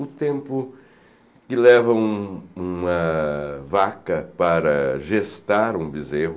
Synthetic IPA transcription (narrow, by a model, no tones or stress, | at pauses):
ʊt̪ẽmpʊ | kɪlɛvɐũũɐ | vakɐpaɾɐʒest̪aɾũbizeɦʊ